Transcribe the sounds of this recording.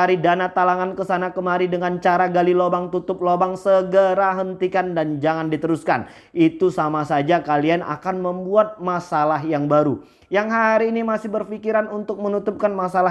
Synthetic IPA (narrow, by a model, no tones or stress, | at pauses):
aɾidanat̪alaŋankəsanakəmaɾidəŋant͡ʃaɾaɡalilobaŋt̪ut̪ʊp̚lobaŋsəɡəɾaɦənt̪ikandand͡ʒaŋandit̪əɾuskan | ʔit̪usamasad͡ʒakaliana̰kanməmbuat̪̚masalaɦjaŋbaɾu | jaŋɦaɾiːnimasɪhbərfikiɾanunt̪ʊk̚mənut̪up̚kanmasala